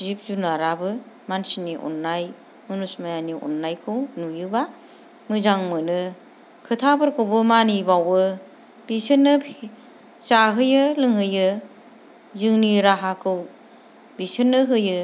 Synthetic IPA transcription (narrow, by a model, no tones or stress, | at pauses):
zip̚zunaɾabɯ | mansiniʔɔ̰nːaj | mɯnusmajaniɔ̰nːajkʰɯwnujɯba | mɯzaŋmɯnɯ | kʰɯtʰabɯɾkʰɯwbɯmanibawɯ | b̥isɯnːɯpʰ | zaɦɯjɯlɯŋɯjɯ | zɯŋniɾaɦakʰɯw | bisɯnːɯɦɯjɯ